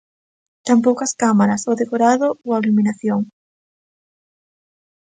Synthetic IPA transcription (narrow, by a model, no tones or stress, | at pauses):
t̪ampowkɐskamaɾɐsoðekoɾaðʊoaluminaθjoŋ